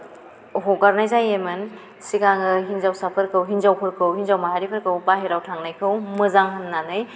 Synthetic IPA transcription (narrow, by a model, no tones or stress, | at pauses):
ɦoɡaɾnajzajemɯn | sikaŋɯɦinzawsapʰɯɾkʰɯwɦinzawpʰɯɾkʰɯwhinzawmaɦaɾipʰɯɾkʰɯwpaɦeɾawtʰaŋnajkʰɯwmɯzaŋɦɯnːanɯj